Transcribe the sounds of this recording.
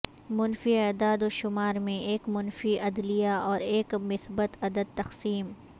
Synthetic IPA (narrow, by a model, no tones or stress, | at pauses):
mʊnfiɛd̪aːd̪oʃʊmaːɾmẽʔeːkmʊnfiʔɐd̪lijaɔːɾeːkmɪsbət̪ɐd̪əd̪̚t̪ɐxsiːm